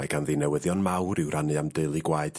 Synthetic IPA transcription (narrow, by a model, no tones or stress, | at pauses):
aɡanðinɛwəðjɔnmawɾɪwranɨamdɨlˠiɡwaɨd̥